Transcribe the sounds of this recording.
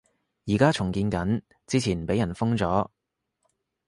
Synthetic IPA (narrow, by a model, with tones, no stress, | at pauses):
jiː˨˩kaː˥t͡sʰʊ˨˩ŋkiː˧nkɐ˨˥n | t͡siː˥t͡sʰiː˨˩npe˨˥jɐ˨˩nfʊ˥ŋt͡sɔː˨˥